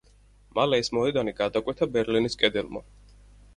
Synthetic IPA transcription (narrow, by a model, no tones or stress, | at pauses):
malɛismɔɛd̪aniɡad̪akʼwɛt̪ʰabɛɾliniskʼɛd̪ɛlˠma̰